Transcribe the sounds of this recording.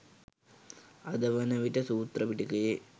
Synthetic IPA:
ɐd̪ɐʋɐnɐʋiʈːɐsuːt̪rɐpiʈːikɐje

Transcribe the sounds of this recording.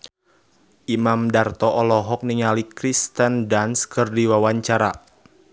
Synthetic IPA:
ʔimamdart̪ɔʔɔlɔɦɔk̚niŋalikɾist̪əndanskɨrdiwawaɲt͡ʃaɾa

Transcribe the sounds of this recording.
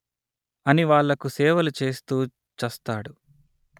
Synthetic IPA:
ɐniʋaːɭːɐkusɛːʋɐlut͡ʃe̞ːst̪uː | t͡ʃɐst̪aːɽu

